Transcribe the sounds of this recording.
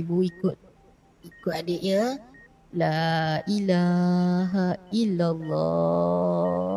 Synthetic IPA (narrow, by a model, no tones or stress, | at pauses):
buikʊt̪̚ | ikʊt̪̚adeʔɲə̃ | laʔilaɦailalːɔ